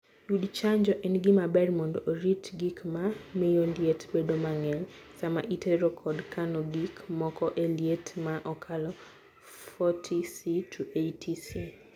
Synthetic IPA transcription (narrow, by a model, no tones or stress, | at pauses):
judt͡ʃaɲd͡ʒɔʔɛnɡɪmabɛɾmondooɾitɡikmamiljonljetbedomaŋɛlsama̰ʔiteɾɔkʰɔdkanoɡikmɔkɔʔelietmaʔɔkʰalɔ | fɔtʰisitʰuʔejtʰisi